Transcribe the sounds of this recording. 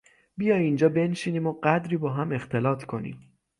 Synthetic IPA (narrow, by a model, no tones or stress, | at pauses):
bijɒːjind͡ʒɒːbe̞nʃiːniːmoɢæd̪ɾiːbɒːɦæme̞xt̪ʰe̞lɒːt̪ʰkʰo̞nḭm